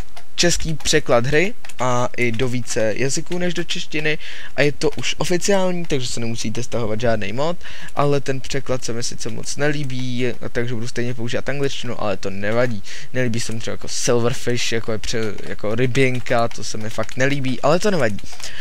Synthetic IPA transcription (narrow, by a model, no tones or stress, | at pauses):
t͡ʃɛskiːpr̝̥ɛklad̪ɦɾɪ | ʔa | ʔɪdo̞viːt͡sɛjʔazɪkuːnɛʒdo̞t͡ʃɛʃcɪnɪ | ʔajɛt̪o̞ʔuʃʔo̞fɪt͡sɪaːlɲiːt̪aɡʒɛsɛnɛmusiːt̪ɛst̪aɦo̞vad̪ʒaːdnḛjmo̞t̪ | ʔalɛt̪ɛnpr̝̥ɛklat̪sɛmɪsɪt͡sɛmo̰t͡snɛliːbiː | a̰t̪aɡʒɛbudust̪ɛjɲɛp̬ouʒiːvat̪ʔaŋɡlɪt͡ʃcɪnṵʔa̰lɛt̪o̞nɛvaɟiː | nɛliːbiːsɛmɪt̪rɛbaja̰kosɪlvɾ̩fɪʃjakojɛpr̝̥ɛ | ja̰ko̞ɾɪbjɪŋkat̪o̞sɛmɪfakt̪nɛliːbiːʔalɛt̪o̞nɛvaɟiː